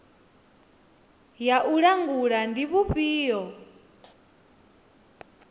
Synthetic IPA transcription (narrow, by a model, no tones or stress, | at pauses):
jaʔuɺaŋɡuɺandiβuɸiːɔ